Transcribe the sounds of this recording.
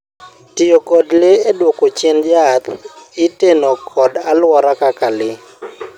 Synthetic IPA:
tiokɔdleedwɔkot͡ʃɛnd͡ʒat̪ɪtenokʰɔdalwɔɾakakalɪ

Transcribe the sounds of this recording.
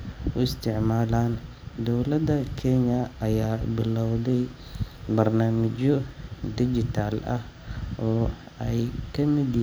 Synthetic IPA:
ʊɪst̪ʰɪʕmaːlaːn | d̪ɔwlɐd̪ɐkʰɛɲɐɐjaːbɪlɐwd̪ɛj | bɐrnaːmɪt͡ʃɔd̪ɪd͡ʒɪt̪ʰaːlɐ̰h | ʔɔː | ɛjkʰɐmɪd̪

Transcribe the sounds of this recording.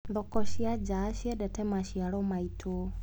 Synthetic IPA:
nðɔkɔʃiad͡ʒaʃiɛdɛtɛmaʃiaɾɔmaitʰo

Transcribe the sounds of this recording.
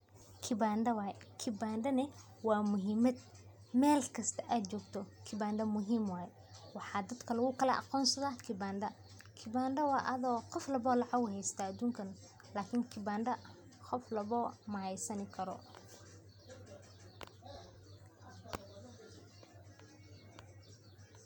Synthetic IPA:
kʰɪbaːɳɖɐwɑːjɛkʰɪbaːɳɖɐnɪ | wɑːmʊɦiːmɐd̪ | mɛːlkʰɐst̪ʰɐʔaːd̪t͡ʃɔːɡt̪ʰɔkʰɪbaːɳɖɐmʊɦiːmwɑːjɛ | wɑħɑːd̪ɐd̪kʰɐlɐɣʊkʰɐlɐʔɑ̰qɔːnsɐðaːkʰɪbaːnɖɐ | kʰɪbaːnɖɐwɑːʔɐðɔːqɔflɐβɔːlɑʕɑɣʊɦɛjst̪ʰaːd̪uːŋkʰɐn | laːkʰɪŋkʰɪbaːɳɖɐ | qɔflɐβɔːmɐhɛjsɐnɪkʰɐɾɔ̰

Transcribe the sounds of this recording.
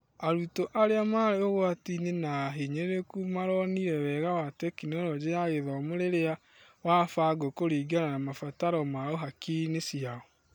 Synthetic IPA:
aɾutoʔaɾeamaɾeoɣoatinenaɦeɲeɾekumaɾɔniɾɛwɛɣawatɛkineoɾɔd͡ʑeaɣeðɔmoɾeɾea | wafaɡokoɾiːɡananamafataɾɔmaoɦakinesiaɔ

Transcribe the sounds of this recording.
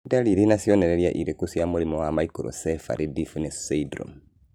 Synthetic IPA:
daliɾinasiɔnɛɾɛɾjaʔiɾekusiamulimɔwamaikuɾɔ̰sɛfa̰ɾʔidifunesseidɾɔ̰m

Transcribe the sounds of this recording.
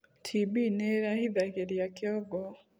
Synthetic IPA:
tʰibineɾahiðakeɾjakjoɡo

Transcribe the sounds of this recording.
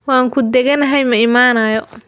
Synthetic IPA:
wɑaːŋkʰʊd̪ɛɣɐnɐɦɛjmɐɪmaːnɐjɔ

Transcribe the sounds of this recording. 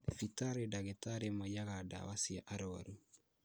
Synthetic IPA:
difitaɾedaɡetaɾemajaɣada̰wasiaʔaɾɔwa̰ɾu

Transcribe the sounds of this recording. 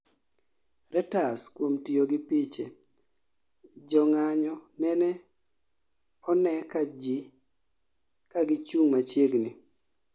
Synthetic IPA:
ɾɛtaskwomtioɡɪpit͡ʃe | d͡ʒɔŋaɲɔnɛnɛ | ɔnɛkad͡ʒi | kaɡɪt͡ʃuŋmat͡ʃjeɡnɪ

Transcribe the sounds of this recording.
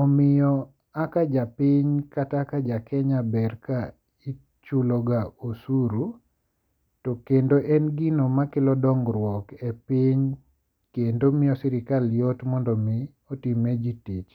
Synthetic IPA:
ɔmɪjɔ | akad͡ʒapiɲkatakad͡ʒakɛɲabɛrka | i | t͡ʃulɔɡaosuɾu | tɔkendoʔɛnɡinomakɪlɔdɔŋɡɾwɔkepɪɲ | kendomɪjɔsiɾɪkaljɔtmɔndɔmɪ | otimed͡ʒitit͡ʃ

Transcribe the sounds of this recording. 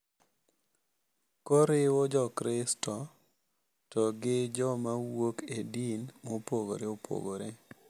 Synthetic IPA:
kɔɾɪwɔd͡ʒɔkɾɪstɔ | tɔɡɪd͡ʒɔmawokedinmopoɡo̰ɾeopʰo̰ɡo̰ɾe

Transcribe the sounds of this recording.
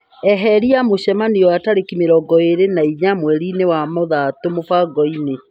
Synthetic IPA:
ɛɦɛɾiamoɕɛmaniɔwataɾekimeɾɔɡɔeɾenaiɲamwɛɾinewamoðatomofaɡɔine

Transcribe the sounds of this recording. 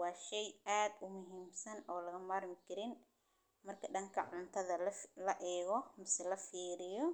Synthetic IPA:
wɑːʃɛjaːd̪ʊmʊɦiːmsɐnɔːlɐɣɐmaːrmɪkʰɐɾɪn | mɐrkʰɐɖɐŋkʰɐʕʊnt̪ʰɐðɐlɐʔɛːɣɔmɪsɛlɐfiːɾɪjɔ

